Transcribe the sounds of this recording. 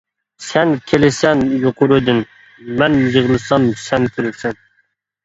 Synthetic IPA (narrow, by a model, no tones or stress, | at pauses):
sɛnkʲʰelɪsɛnjoqʊɾud̪ɪn | mɛnjəʁlˠɨsɑnsɛnkʲʰyɾysɛn